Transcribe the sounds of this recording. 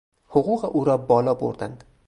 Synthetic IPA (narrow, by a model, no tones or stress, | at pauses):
hʊqʰʊqɨʔuɾɒbɒlˠɒbo̰ɾd̪and̪